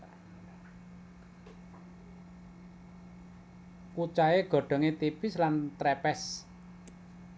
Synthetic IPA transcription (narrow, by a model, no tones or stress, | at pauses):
kut͡ʃaeɡ̥ɔ̤ɖ̥ɔ̤ŋet̪ipɪslant̪ɾɛpɛs